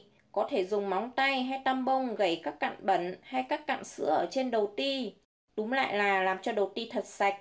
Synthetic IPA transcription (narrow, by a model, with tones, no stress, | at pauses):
kɔ˨˦t̪ʰe˧˩zʊ˨˩ŋ͡mma˨˦wŋ͡mt̪a˧jɦa˧jt̪a˧mɓə˧wŋ͡mɣə˧˩jkaː˦˥kːa̰ː˧˨nɓə˧˩nha˧jkaː˦˥kːa̰ː˧˨nsɨ̰˧˥əʔəː˧˩t͡ɕe˧nɗə˨˩wt̪i˧ | ɗʊ˨˦ŋ͡mla̰ː˧˨jlaː˨˩laː˨˩mt͡ɕɔ˧ɗə˨˩wt̪i˧t̪ʰə˨˩t̚sa˨˩jk̟̚